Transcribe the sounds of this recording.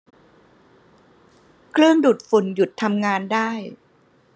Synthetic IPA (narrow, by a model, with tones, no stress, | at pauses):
kʰɾɯ˥˩əŋdu˨˩t̪̚fu˨˩˦nju˨˩t̪ʰːa˧mŋaː˧ndaː˥˩j